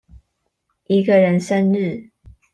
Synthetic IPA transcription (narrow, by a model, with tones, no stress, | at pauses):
ʔi˧˥ɡə˨ɻə˧˦nʂə˦nɻɻ̩˥˨